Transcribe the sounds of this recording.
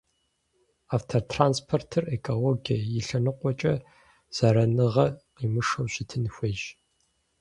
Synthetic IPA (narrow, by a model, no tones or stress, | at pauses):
aːftʰortʰraːnspʰortʰɨrekʰʼoloɡʲɐjɪɬɐnɨqʷʼɔt͡ʃʼɐ | z̥aɾɐnɨʁɐqiːmɨʂɐwɕɪtʰɨnxʷeːʒ